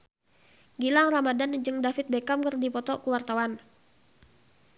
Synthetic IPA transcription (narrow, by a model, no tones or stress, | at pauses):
ɡilaŋramadand͡ʒɨŋdafɪt̪̚bekamkərdipɔt̪ɔkuwart̪awan